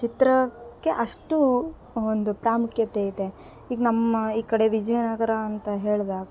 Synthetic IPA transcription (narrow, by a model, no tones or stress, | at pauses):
t͡ʃit̪ɾɐkːe̞ʔɐʂʈu | ond̪upɾaːmukjɐt̪eid̪e | iːɡnɐmːɐiːkɐɽe̞ʋid͡ʒɐjnaɡɐɾaːnt̪ɐɦeːɭd̪aːɡ